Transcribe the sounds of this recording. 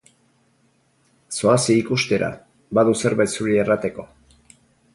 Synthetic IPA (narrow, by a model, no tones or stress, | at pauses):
so̞asiikust̪e̞ɾa̰ | baðuse̞ɾβajt̪suɾierat̪e̞ko̞